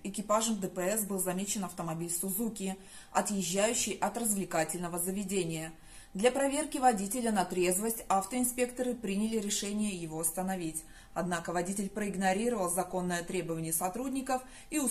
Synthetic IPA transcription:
ɪkʲɪpaʐəmd̪əpəɛsbɨlˠzɐmʲet͡ɕɪnɐft̪əmɐbʲilʲsʊzukʲɪ | ɐt̪jɪʑːæjʉɕːɪjʔɐt̪rəzvlʲɪkatʲɪlʲnəvəzəvʲɪdʲenʲɪjə | d̪lʲɐpɾɐvʲe̞rkʲɪvɐdʲitʲɪlʲənɐt̪ɾʲe̞zvəsʲtʲaft̪əɪnspʲe̞kt̪əɾɨpɾʲinʲɪlʲɪɾʲɪʂɛnʲɪjəjɪvo̞ɐst̪ənɐvʲitʲ | ɐd̪nakəvɐdʲitʲɪlʲpɾəɪɡnɐɾʲiɾəvəlˠzɐko̞nːəjət̪ɾʲe̞bəvənʲɪjəsɐt̪ɾudʲnʲɪkəf | iʊ

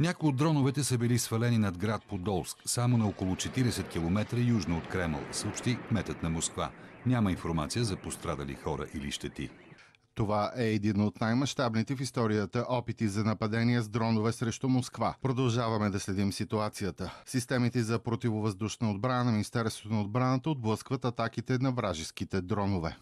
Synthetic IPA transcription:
nʲakojiod̪ːɾɔnovɛt̪ɛsəbilisfɐlɛninɐd̪ɡɾat̪̚pod̪ɔlˠsksamonɐokolˠʊt͡ʃɛt̪iɾɛsɛt̪kʲilˠomɛt̪ɾəjuʒnoot̪kɾɛmə̰lˠsəopʃt̪imɛt̪ət̪nɐmoskva̰nʲaməĩnfoɾma̰t̪sijəzɐpost̪ɾad̪ə̰lḭxɔɾə̰ʔilḭʃt̪ɛt̪ḭ | t̪ovaʔɛːd̪inot̪najmɐʃt̪abnit̪ɛfist̪ɔɾijət̪əʔɔpit̪izɐnɐpɐd̪ɛniɛzd̪ɾɔnovɛsɾɛʃt̪umoskvapɾod̪ɐlˠʒavɐmɛd̪ɐslɛd̪imsit̪uat̪sijət̪əsist̪ɛmit̪ɛzɐpɾot̪ivovɐzd̪uʃnəod̪̚bɾanənɐminist̪ɛɾst̪vot̪onəod̪bɾanət̪əod̪̚blˠəskvət̪ɐt̪akit̪ɛnɐvɾaʒiskit̪ɛd̪ɾɔnovɛ

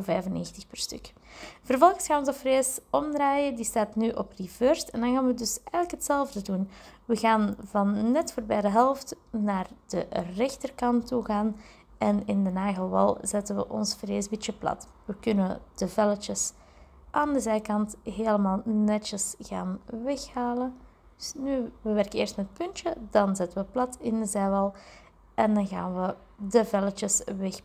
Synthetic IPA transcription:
vɛːjvənḛːxtəxpərstɵ̰k | v̥ərvɔlˠɣəsxaːnɔnzəfreːsɔmdraːjədistaːtnyʔɔprivørstɛndɑnɣaːnʋədɵsɛːɣələkɦətsɛlˠvdədunʋəɣaːnvɑnːɛtfoːrbɛjdəɦɛlˠftnaːrd̥ərɛxtərkɑntːuɣaːn | ɛnɪndənaːɣəlˠʋɑ̰lˠzɛtənʋə̰ʔɔ̰nsfreːzbit͡ʃəplɑ̰t | ʋəkʏnənd̥əvɛlət͡ʃəs | ʔaːndəzɛjkɑntɦeːləmaːlˠnɛt͡ʃəsɣa̰ːnʋɛxhaːlə | nyʋəʋɛrkəɪːrstmɛət̚pɵnt͡ʃədɑnzɛtənʋəplɑtʰɪndəzɛːjʋɑlˠ | ʔɛndɑnɣa̰ːnʋə | dəvɛlət͡ʃəsʋɛx

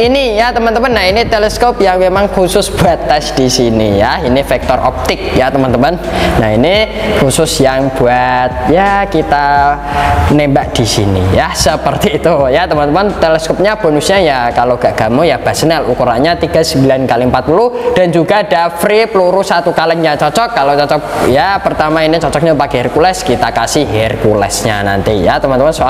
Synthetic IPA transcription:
inijat̪əmant̪əmanːainit̪elɛskɔp̚jaŋmemaŋkusʊsb̥uat̪ːɛsd̥isinḭjainifɛk̚t̪ɔrʔɔ̰p̚t̪ɪk̚jat̪əmant̪əmənːainikusʊsjaŋb̥uat̪̚jakit̪a | nembaʔd̥isḭnḭjasəpərt̪iːt̪ujat̪əmant̪əmant̪elɛskɔp̚ɲab̥o̤nusɲajakaloɡ̥aʔɡ̥a̤mojab̥asənɛlukuɾaɲat̪iɡ̥a̤səmbilankaliəmpat̪̚puluhd̥a̤nd͡ʒuɡadafɾipəluɾusat̪ukalɛŋɲat͡ʃɔt͡ʃɔkːalot͡ʃɔt͡ʃɔk̚japərt̪amainit͡ʃɔt͡ʃɔk̚ɲapakɛɦɛrkulɛskit̪akasɪɦɛrkulɛ̰sɲa̰na̰nt̪ijat̪əmant̪əmansoa

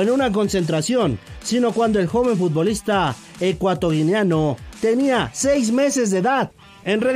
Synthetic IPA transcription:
enunak̬o̞nse̞nt̪ɾasjo̞nsino̞kwand̪oe̞lxo̞βe̞ɱfut̪̚bo̞list̪a | ekwat̪o̞ɣineanot̪e̞niasejz̬me̞se̞zðe̞ːðað | e̞nre

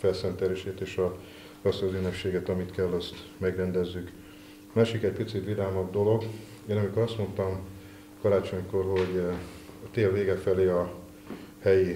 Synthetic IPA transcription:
fɛlsɛnt̪ɛleːʃeːt̪eːʃɒ | rɒsɒzynːøpʃeːɡɛt̪ɒmit̪kɛlːɛst̪mɛɡrɛnd̪ɛzːyk | maːʃikɛc̚pit̪sit̪ʋid̪aːmɒdd̪o̞lo̞ɡ | eːnɒmikoɾɒst̪mo̞nt̪ɒm | kɒɾaːt͡ʃo̞ɲko̞rɦo̞ɟ | ɒt̪eːlveːɡɛfɛleːɒ | hɛji

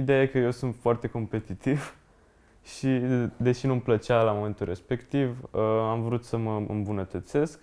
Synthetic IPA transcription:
id̪e̞aje̞kəje̞wsunt̪foart̪e̞ko̞mpe̞t̪it̪iv | ʃid̪e̞ʃinumplət͡ʃalamome̞nt̪ulrʔe̞spe̞kt̪ivəamvɾut̪səməɨ̰mbunət̪ət̪se̞sk

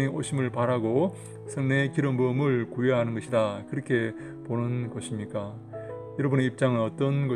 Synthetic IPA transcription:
iʔoɕʰimɯɭpaɾaɡo | sʰɯŋnekiɾʌmbɯmɯɭkujeɦanɯnɡʌɕʰidakɯɾʌkʰe̞ | ponɯnɡʌɕʰimɲik͈a | jʌɾʌbuneip̚t͡ɕ͈aŋɯnʌt͈ʌnɡʌ

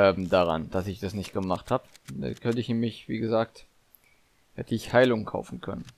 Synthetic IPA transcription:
ʔɛːmdaʁa̰nd̥asɪçd̥asnɪçt̚ɡ̥əmaχthaːbda̰kʰœnəɪçnːmɪçv̥iːɡəzaːk̚t | hɛtʰəɪçhaɪlʊŋəkʰa̰ʊfn̩kʰœ̰nən

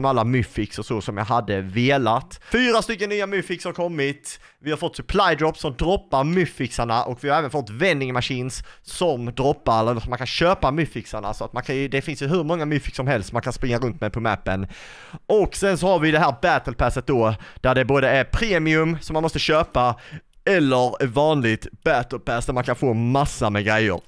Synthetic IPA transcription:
malːamʉfɪksəsɔsɔmjɑ̰ɦad̪ːəveːlat̪fyːɾast̪ʏkːənːyːamʉfɪkshaɾkʰɔmːɪt̪ | vɪhaɾfɔt̪ːsɵpʰlajd̪ɾɔpːsɔmd̪ɾɔpːaɾmʏfɪksaɳaʔɔkvɪhaɾɛːvənfɔt̪ːvɛnd̪ɪŋmaɕiːnssɔmd̪ɾɔpːaɾɛːələsɔmːankʰanɕøːpamʉfɪksaɳa̰sɔat̪mankʰanjɵd̪ɛfɪnsjɵɦɵɾmɔŋːamʉfɪksɔmɦɛlst̪sɔmankʰanspɾɪŋːaɾɵnt̪mɛjpʰɔmæ̰pːən | ʔɔksɛnsɔhaɾvɪd̪ɛɦæːɾbæt̪əlpʰæsət̪̚d̪ɔd̪̥æɖɛboːd̪əæɾpʰɾeːmɪɵmsɔmːanmɔst̪əɕøːpa | ɛlːəɾvɑːnlɪt̪b̥æt̪əlpʰæːsd̪æɾmankʰanfoːmasːamɛɡɾɛjːə̰ɾ

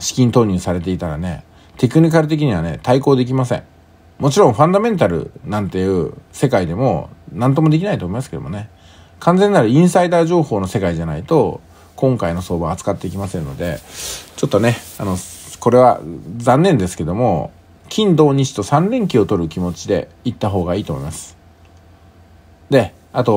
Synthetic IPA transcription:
ɕi̥kʲĩnt̪o̞ːɲ̟ɯːsaɾe̞t̪e̞it̪aɾane̞̰ | t̪e̞kɯ̟ɲ̟ik̬aɾɯ̟t̪̬e̞k̬ʲiɲ̟iβane̞̰t̪aiko̞ːd̪e̞k̬ʲimasẽ̞̰ɴ | mo̞t͡ɕiɾõɸãnd̪amẽ̞nt̪aɾɯ̟̰nãnt̪e̞jɯ̟ːse̞kaid̪e̞mo̞̰nãnt̪o̞mo̞d̪e̞kʲinait̪omimasɨ̥ke̞d̪o̰mone̞ | kʰãnd͡zẽ̞nːaɾɯ̟ĩɰ̃said̪aːʑo̞ːho̞ːno̞se̞kaiʑana̰it̪o̞ | kõ̞ŋkaino̞so̞ːbaat͡sɨ̥kat̪ːe̞ikʲimasẽ̞nno̞d̪e̞t͡ɕo̞t̪ːo̞ne̞ano̞ko̞ɾe̞βa̰d͡zzãnːẽ̞nd̪e̞sɨ̥ke̞d̪o̞mo̞̰ | kʲʰĩnd̪o̞ːɲ̟iɕi̥t̪o̞sãnɾẽ̞ŋkʲio̞t̪o̞ɾɯ̟kʲimo̞t͡ɕid̪e̞̰ | it̪ːaɦo̞ːɡaiːt̪o̞ːmo̞imasɨ̥ | d̪e̞ | at̪o̞

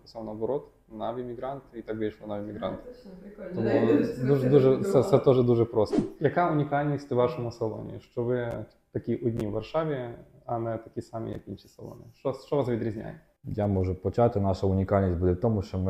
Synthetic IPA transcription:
ʊsawnɐbɐɾɔt̪ | naʋʲimʲiɡɾɑnt̪ɪit̪aɡbʲet͡ʃlˠɔnaʋʲimʲiɡɾa̰nt̪ɪ̥t̪ɔmud̪uʒɛd̪uʒɛsɛsɛt̪ɔʒɛd̪uʐɛpɾɔst̪ɐjɐkaʊnʲikalʲnʲisʲt̪ʲɪʋaʃɔmʊsɐlˠɔ̰nʲḭjḭʃt͡ʃɔʋɪ | t̪ɐkʲiʔʊdʲnʲiʋʋːɐrʃaʋʲɪ | ɐnɛt̪ɐkʲisamʲḭjɐ̰kinʃisɐlˠɔ̰nʲḭʃɔst͡ʃɔʋasʋʲid̪ɾʲizʲnʲa̰jɛtʲ | jamɔʒʊpɔt͡ʃat̪ɪnaʃɐʊnʲɪkalʲnʲisʲtʲbud̪ʲɛt̪ɔmuʃt͡ʃɔmɪ

